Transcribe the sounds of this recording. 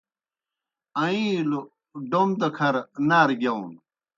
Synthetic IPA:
ɐĩlu | ɖomd̪ɐkʰɐɾnaːɾɡjɐun

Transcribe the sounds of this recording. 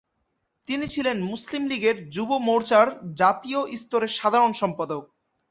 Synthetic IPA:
t̪init͡ɕʰilenmuslimliɡeɾd͡ʑubomoɾt͡ɕaɾd͡ʑat̪ioʔist̪oɾeɾʃad̪ʱaɾonʃɔmpad̪ok̚

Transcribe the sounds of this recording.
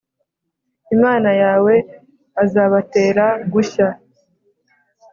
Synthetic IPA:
imaːnajaːwe̞ | azaːβate̞ːɾaɡuça

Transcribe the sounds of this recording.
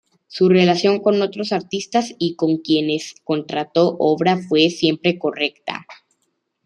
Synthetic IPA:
sure̞lasjo̞ŋko̞no̞t̪ɾosaɾt̪ist̪asiko̞ŋkje̞ne̞sko̞nt̪ɾat̪o̞ʔo̞βɾafwe̞sje̞mpɾe̞ko̞re̞kt̪a̰

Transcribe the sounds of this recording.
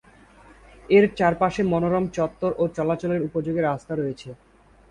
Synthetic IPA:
eɾt͡ɕaɾpaʃemɔnoɾɔmt͡ɕɔt̪ːoɾʔot͡ɕɔlat͡ɕoleɾupod͡ʑoɡeɾast̪aɾojet͡ɕʰe

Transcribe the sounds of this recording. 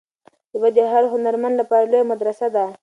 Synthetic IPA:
wad̪eɦaɾɦʊnaɾmand̪lapɑɾalojamad̪ɾasad̪a

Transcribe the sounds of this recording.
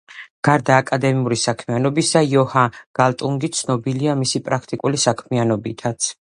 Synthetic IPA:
ɡ̥aɾd̪aːkʼad̪ɛmiuɾisakʰmianɔbisajɔhaɡ̥alˠt̪ʼuŋɡit̪sʰnɔbiliamisipʼɾakʰt̪ʼikʼulisakʰmianɔbit̪ʰat̪sʰ

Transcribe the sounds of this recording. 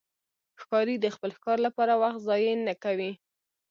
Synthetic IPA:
xkɑɾid̪əxpəlxkɑɾlapɑɾawaxt̪zɑjənakawi

